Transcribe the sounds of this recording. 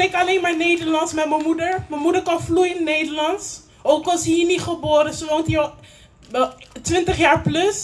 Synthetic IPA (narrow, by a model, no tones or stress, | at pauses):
ekɑlejnmaːɹnejdəɹlɑntsmɛtməmudəɹməmudəɹkɑnflujɪnnejdəɹlɑnts | owkɑlsiːnitχəboːɾəsʋɔntiɔ | tʋɪntəχjaːɹplɵs